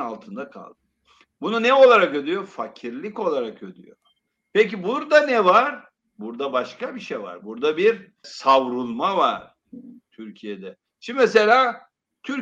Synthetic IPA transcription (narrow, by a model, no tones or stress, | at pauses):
alˠt̪ʰɯnd̪akʰa̰lˠd̪ɯ | bununɛo̞lˠaɾakød̪yjo̞facʰiɾlʲico̞lˠaɾakød̪y̰jo̰ | pec̬ibuɾd̪anɛvaɾ | buɾd̪abaʃkabiʃejva̰ɾbuɾd̪abiɾ | savɾulˠmavaɾ̥ | t̪ʰyɾcʰijed̪ɛ | ʃimmes̬e̞lʲaː | t̪ʰyɾ